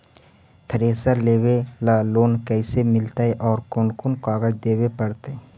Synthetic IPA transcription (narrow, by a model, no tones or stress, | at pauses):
t̪ʰəɾeːsəleːwelaloːnkɛːsemɪlt̪aɦɛʔɔːɾkʊnkʊnkaːɡəd͡ʒd̪eːwepəɽt̪ee